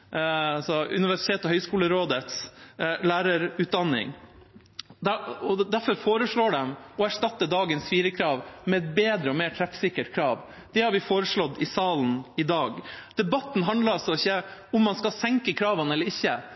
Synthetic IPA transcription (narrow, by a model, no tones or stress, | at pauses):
ɑlsɔʉ̰nɪʋæʂɪt̪ʰeːt̪ɔhœʏskuːləɾoːd̪ət̪slæːɾəɾʉːt̪̚d̪ɑnːɪ̰ŋ | d̪ɔd̪æɾfɔɾfoːɾəʂɭoːɖɛmɔæʂʈɑt̪ːəd̪ɑːɡənsfiːɾəkʰɾɑːʋmɛɛt̪̚beːd̪ɾəɔmeːʈʰɾɛfsɪkːəʈkʰɾɑːʋ | d̪̥ɛhɑɾʋɪfoːɾəʂɭɔd̪ɪsɑːln̩ɪd̪ɑːɡd̪̥ɛbɑt̪n̩ɦɑnd̪ləɾɔsɔɔɪçːəʊmːɑnskɑsɛŋkəkʰɾɑːʋənɛlːəɾɪçːə